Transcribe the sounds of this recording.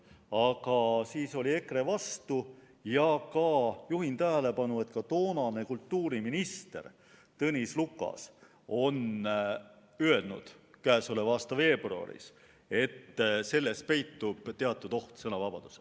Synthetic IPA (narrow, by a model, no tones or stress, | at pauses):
ɑkɑsiːso̞lʲie̞kre̞vɑst̪u | jɑkɑjuɦint̪æɦele̞pɑnue̞t̪kɑt̪o̞ːnɑne̞kult̪ːuːɾiminist̪e̞̰r | t̪ɤnʲislukːˑɑ̰s | o̞n | øe̞lnṵd̪̥kæːsulevɑːst̪ɑve̞ːb̥ruɑ̰ɾḭs | e̞t̪ːse̞lːe̞spe̞jt̪ːub̥t̪eɑt̪ːˑud̪o̞ht̪sɤnɑvɑb̥ɑd̪̥u̥se